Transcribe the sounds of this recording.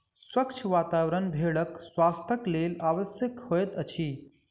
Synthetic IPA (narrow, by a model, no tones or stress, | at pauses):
swɐkt͡ʃʰʋaːt̪aːʋɾənbʱeːɭəkswaːst̪ʰəkleːlaːʋəsjəkhoːjt̪ət͡ʃʰiː